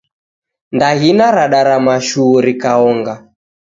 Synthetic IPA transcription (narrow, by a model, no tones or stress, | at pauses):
ndaɦinaɾaɗaɾamaʃuːɾikaɔŋɡa